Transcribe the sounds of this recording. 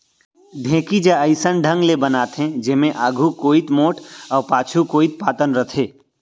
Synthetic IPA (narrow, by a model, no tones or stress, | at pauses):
d̪ʱẽːkid͡ʒaəɪsənɖʱə̃ŋɡlebənaːt̪ɦɛ̃d͡ʒɪmẽʔaːɡʱukoːit̪moːʈɔːɾpaːt͡ʃʰukoːit̪̚paːt̪ənɾət̪ʰeː